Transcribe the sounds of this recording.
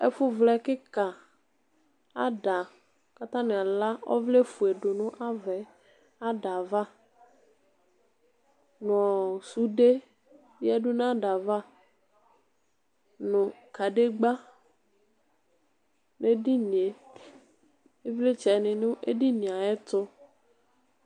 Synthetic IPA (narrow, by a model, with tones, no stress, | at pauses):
e˦fʊ˦vlɛ˦kɪ˦ka˨ | a̰˦da˨ | ka˦t̪ã˦nɪ̃˨a˨la˦ɔ̰˦vle˦fu˨e˨ɖʊ˨nʊ̃˦ʔa˦vɛ˨ | a˦ɖa˨va˦ | n˨ɔ˨su˨˦ɖe˦ | jɛ˦ɖʊ˦nã˦ɖa˨va˦ | nʊ̃˨ka˨ɖe˦ɡ͡ba˦ | ne˦di˦nĩ˨e˨ | e˦vle˦t͡ʃɛ˨nɪ̃˨nʊ̃˦ʔḛ˦di˦nĩ˨a˨ɛ˦t̪ʊ˦